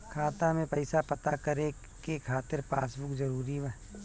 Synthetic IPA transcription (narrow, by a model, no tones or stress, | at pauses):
kʰaːt̪amẽpɐɪsapɐt̪akɐɾe | kekʰaːt̪ɪɾpaːsbʊkzɐɾuːɾiwɛː